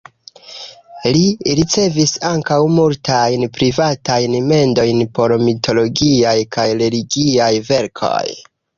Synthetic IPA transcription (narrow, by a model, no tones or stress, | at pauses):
liɾit͡se̞visaŋkawmultʰajnpɾivatajnme̞ndo̞jnpo̞ɾmitʰo̞lo̞ɡiajkʰajɾe̞liɡiajve̞ɾkʰo̞̰j